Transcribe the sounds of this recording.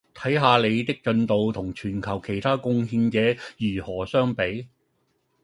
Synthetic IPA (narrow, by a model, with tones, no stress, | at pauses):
t̪ʰɐ˨˥jɦaː˧le˨˧jt̪ɪ˥k̚t͡ʃɵ˧nt̪o˨wt̪ʰʊ˨˩ŋt͡ʃʰyː˨˩nkʰɐ˨˩wkʰe˨˩jt̪ʰaː˥kʊ˥ŋhiː˧nt͡sɛː˨˥jyː˨˩hɔː˨˩sœː˥ŋpe˨˥j